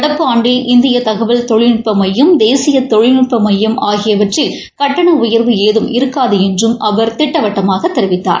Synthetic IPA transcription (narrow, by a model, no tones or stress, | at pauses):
ɐɽɐpːɯaːɳɖɪlʔɪnd̪ɪjɐt̪ɐɣɐʋɐlt̪ɔɻɪnɪʈpːɐmɐjːɯmd̪eːsɪjɐt̪ɔɻɪnɪʈpːɐmɐjːɐmʔaːɣɪjɐʋɐʈrɪl | kɐʈːɐɳɐʊjɐɾʋɯeːðɯmɪɾɯkːaːðɯɛndrɯmʔɐʋɐɾt̪ɪʈːɐʋɐʈːɐmaːɣɐt̪ːɛɾɪʋɪt̪ːa̰ːɾ